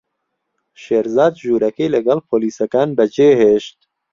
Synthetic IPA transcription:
ʃeːɾzaːd̪ʒuːɾɛkeːlɛɡɛlpʰoːliːsɛkaːnbɛd͡ʒeːɦeːʃt̪̚

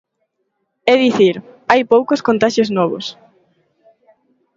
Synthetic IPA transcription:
ɛðiθiɾajpowkoskont̪aʃoznɔβ̞o̰s

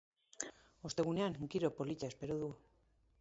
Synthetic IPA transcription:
o̞st̪e̞ɣuneaŋŋkiɾo̞po̞licaespeɾoðu

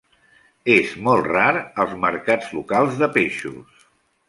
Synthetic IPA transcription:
ezmɔlˠraɾəlˠzməɾkad͡zlukalˠzðəpeʃus

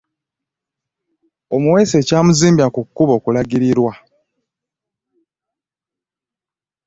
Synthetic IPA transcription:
o̞muwe̞ːse̞ːcaːmuziːmbjakukːuβo̞ːkulaɡiɾiɾwa

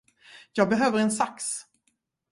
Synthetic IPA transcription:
jɑːɡ̚bɛɦøːvəɾɛnsaks

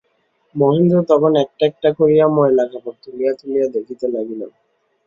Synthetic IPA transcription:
moɦend̪ɾot̪ɔkʰonɛk̚ʈaɛk̚ʈakoɾijamɔelakʰapoɾ̚t̪ʰulijat̪ulijad̪ekʰit̪elaɡilo̰n

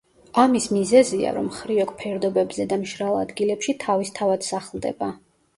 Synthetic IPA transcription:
amismizɛzia̰ɾɔ̰mχɾiɔkʼpʰɛɾd̪ɔbɛbzɛd̪amʃɾalˠa̰d̪ɡilɛpʃit̪ʰavist̪ʰavad̪̥saχlˠd̪ɛ̰ba

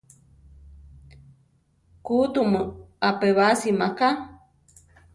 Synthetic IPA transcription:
kut̪uməapeβasimaka

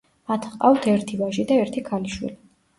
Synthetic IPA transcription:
at̪ʰqʼaft̪ʰɛɾt̪ʰivaʒid̪aɛɾt̪ʰikʰaliʃwḭli

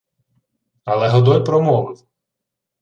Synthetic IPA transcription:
ɐlˠɛɦɔd̪ɔjʲpɾɔmɔʋɪw

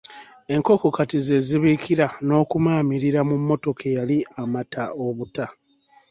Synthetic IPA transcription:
e̞ŋko̞kokatize̞ːziβiːkʰiɾano̞ːkumaːmiɾiɾamumːo̞to̞kejaliamataoβuta

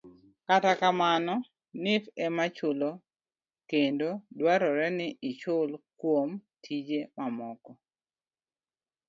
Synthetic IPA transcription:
katakamanɔ | nɪfɛmat͡ʃʊlo | kendodwaɾɔɾɛnɪʔɪt͡ʃʊlkwomtʰid͡ʒemamɔkɔ

